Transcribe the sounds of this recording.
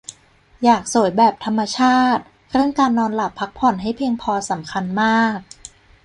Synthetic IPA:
jaː˨˩k̚su˨˩˦jbɛː˨˩p̚t̪ʰa˧mːa˧t͡ɕʰaː˥˩t̪̚ | ɾɯ˥˩əŋkaː˧nːɔː˧nla˨˩pʰːa˦˥k̚pʰɔ˨˩nɦa˥˩jpʰiː˧əŋpʰɔː˧sa˩˦mkʰa˧nmaː˥˩k̚

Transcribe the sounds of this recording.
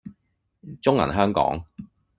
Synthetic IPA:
t͡sʊ˥ŋɐ̰˨˩nɦœː˥ŋkɔ̰ː˨˥ŋ

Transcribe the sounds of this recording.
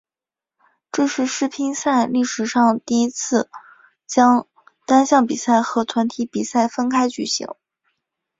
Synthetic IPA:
ʈ͡ʂɤ˥˧ʂɻ̩˥˧ʂɻ̩˥pʰi˥ŋsa˥˧ɪli˥˩ʂɻ̩˨˩ʂɑ˥˧ŋt̪i˥˩i˥t͡sʰɹ̩˥˩ | t͡ɕjɑ˥ŋ | t̪a˥nɕjɑ˥˩ŋpi˨˩sa˥˩ɪxɤ˧˥t̪ʰwa˧˥nt̪ʰi˧˥pi˨˩sa˥˩ɪfə˥nkʰa˥ɪt͡ɕy˥˩ɕḭ˧˥ŋ

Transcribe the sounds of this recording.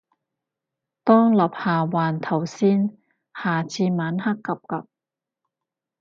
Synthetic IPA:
t̪ɔː˥ŋlɐ˨˩p̚haː˨˩waː˨˩nt̪ʰɐ˨˩wsiː˥n | haː˨˩t͡siː˧maː˨˥nhɐ˥kːɐ˨p̚kɐ˨p̚

